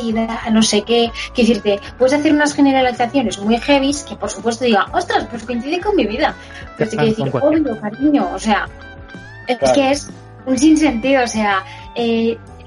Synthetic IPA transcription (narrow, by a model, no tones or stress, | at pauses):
iðano̞se̞ke̞keeθiɾt̪e̞pwe̞ðe̞saθe̞ɾunasχe̞ne̞ɾaɾaliθaθjo̞ne̞zmwijxe̞β̞iske̞po̞ɾsupwe̞st̪o̞ðiɣaʔo̞st̪ɾasposokeinθiðeko̞nmiβiða | pet̪ekeθiɾomiɣokaɾiɲo̞ːse̞a | eeskee̞s | uns̬inse̞nt̪iðoːse̞a | e